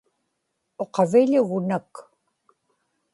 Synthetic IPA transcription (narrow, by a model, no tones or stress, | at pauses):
o̞qɑvɪʎʊɣʊnak